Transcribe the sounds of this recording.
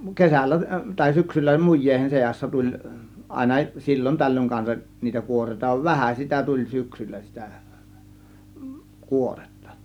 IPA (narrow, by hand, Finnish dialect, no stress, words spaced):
kesælːæ tɑˑe̝ syksylːæ mujˑeˑihen seɑsːɑ tulʲ ʔɑˑe̝nɑ silʲːon tælːøŋ kɑnsɑʔ niːtæ kuorˑeˑĭtɑ ʋæhæ sitæ tulʲ syksylːæ sitæ kuore̥tːɑ̥